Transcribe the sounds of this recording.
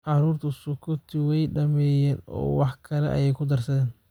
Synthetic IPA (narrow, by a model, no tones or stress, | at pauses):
ʕɑɾuːrt̪ʰɐsʊkʰʊt̪ʰɪwɛjɖɐmɛːjɛːnɔ̰ːwɑħkʰɐlɛ̰ʔɐ̰jɛjkʰʊd̪ɐrsɐðɛːn